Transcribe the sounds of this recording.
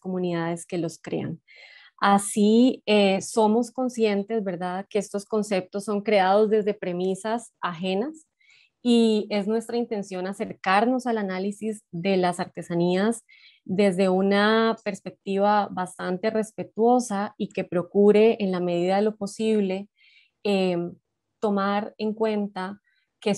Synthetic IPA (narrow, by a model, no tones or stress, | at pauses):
ko̞mũniðaðe̞ske̞lo̞skɾe̞̰a̰n | asieso̞mo̞sko̞nsje̞nt̪e̞zbe̞ɾðaðke̞est̪o̞sko̞nse̞p̚t̪o̞sːoŋkɾe̞aðo̞zd̪e̞zd̪e̞pɾe̞misas | axe̞nas | ie̞znwe̞st̪ɾaint̪e̞nsjo̞nase̞ɾkaɾno̞salanalisizd̪e̞lasaɾt̪e̞saniaz | d̪e̞zd̪e̞unape̞ɾspe̞k̚t̪iβ̞abast̪ant̪e̞re̞spe̞t̪wo̞saike̞pɾo̞kuɾe̞ʔːnlame̞ð̞iðaðelopo̞siβle̞ | e | t̪o̞maɾe̞ŋkwe̞nt̪a | ke